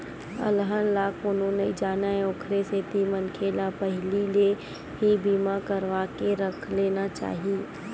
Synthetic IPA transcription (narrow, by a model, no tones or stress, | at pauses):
ə̰lɦənlaːkʊnɦõːned͡ʒaːnaẽoːkʰɾeseːt̪imənkʰelapəɦɪlile | ɦibiːmakəɾʋaːkeɾəkʰleːnat͡ʃa̰ːɦieː